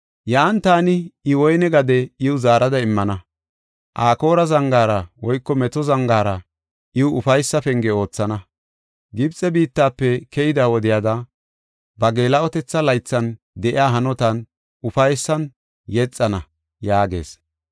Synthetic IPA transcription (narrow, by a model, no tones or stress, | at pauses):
jɐʔɐnt̪aːnɪɪwɔjnɛɡɐd̪ɛɪwʊzaːɾɐd̪ɐɪmːɐnɐ | ʔaːko̞ːɾɐzɐŋɡaːɾɐwɔjkːɔmɛt̪ɔzɐŋɡaːɾɐ | ʔɪwʊʊfɐjsːɐfɛŋɡɛo̞ːt͡sːɐnɐ | ɡɪbt͡sʼɛbiːt̪ːaːpːɛkɛjɪd̪awɔd̪ɪjaːd̪ɐ | bɐɡe̞ːlɐɔt̪ɛt͡sːɐlɐjt͡sːɐn | d̪ɛʔɪaːɦɐnɔt̪ɐn | ʊfɐjsːɐn | jɛt͡sʼːɐnɐ | jaːɡe̞̰ːs